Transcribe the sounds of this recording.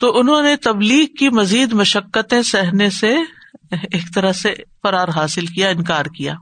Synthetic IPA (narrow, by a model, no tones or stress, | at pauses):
t̪oʔʊnɦõnet̪ɐbliːɡkimɐziːd̪mɐʃəkːət̪ẽsɛɦnese | eːkt̪ɐɾəɦsefɐɾaːɾɦaːsɪlkijaɪnkaːɾkija̰ː